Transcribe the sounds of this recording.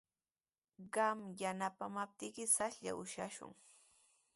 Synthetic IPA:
ɢɑmjanapamap̚t̪ɪkɪsasʎa̰ʊʃa̰ʃʊ̰ŋ

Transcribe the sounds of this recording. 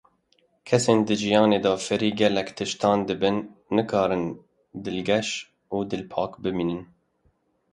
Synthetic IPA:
kʰɛseːnd̪ɨʒijɑːneːd̪ɑːfɨɾiːɡɛlːɛkt̪ʰɨʃt̪ɑːnd̪ɨbɨnːɨkʰɑːɾɨn | d̪ɨlɡɛʃ | uːd̪ɨlpʰɑːkbɨmiːnɨn

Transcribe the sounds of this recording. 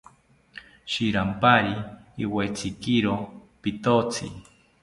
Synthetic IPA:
ʃiɾampaɾiːwet͡sʰikiɾopit̪ot͡sʰḭ

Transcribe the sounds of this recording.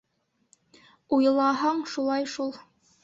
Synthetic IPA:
ujɤ̆lˠɑɦɑɴʃulˠɑjʃulˠ

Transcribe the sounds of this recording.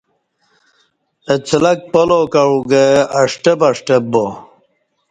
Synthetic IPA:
et͡sʰlɐk̚polokaɻuɡeɐʂʈebɐʂʈebo

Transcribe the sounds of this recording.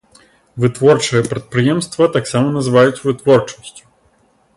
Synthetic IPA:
vɨt̪vɔɾt͡ʃɨjɛpɾɛt̪̚pɾɨjɛmst̪vɐt̪aksamonɐzɨvajʊt̪svɨt̪vɔɾt͡ʃo̥stʲu̥

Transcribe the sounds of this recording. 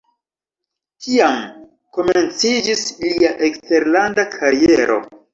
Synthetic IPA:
kiam | ko̞ment͡sid͡ʒisliaʔe̞kste̞ɾlandakʰaɾie̞ɾo̞̰

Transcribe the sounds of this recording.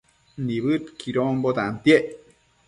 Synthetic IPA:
niβɨt̪kʰiɾombot̪ant̪jeʔ

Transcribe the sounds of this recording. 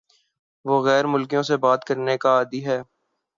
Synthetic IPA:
ʋoːɣɛːɾmʊlkijõsebaːt̪kəɾnekaːd̪iɦɛː

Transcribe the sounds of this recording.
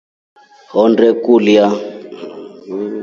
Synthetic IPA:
ɦɔndɛkulja

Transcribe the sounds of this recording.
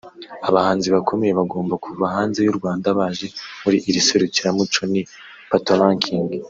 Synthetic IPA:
aβahaːnziβakʰo̞me̞je̞βaɡo̞ːmbakʰuvaɦaːnze̞juɾɡwaːndaβaːʒe̞muɾiʔiɾiseɾuciɾamut͡ʃoni | patolãŋkʰiŋɡi

